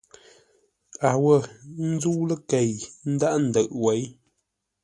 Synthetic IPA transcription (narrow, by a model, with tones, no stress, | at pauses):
a˨wə˦˨n̩˦d͡zu˦lə˦ke˨jn̩˦da˦ʔn̩˨də˨ʔwe˨˦j